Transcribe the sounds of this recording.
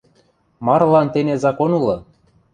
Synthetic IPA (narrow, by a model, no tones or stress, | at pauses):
mɑrlɑnt̪enezɑkonulɤ̆